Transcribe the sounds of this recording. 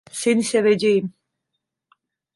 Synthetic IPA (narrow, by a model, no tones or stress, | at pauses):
senisɛvɛd͡ʒejim